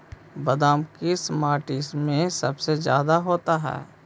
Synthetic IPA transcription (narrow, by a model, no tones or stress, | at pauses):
bəd̪aːmkismaːʈismẽsɐbsezja̰ːd̪aɦoːt̪aɦɛ̰ː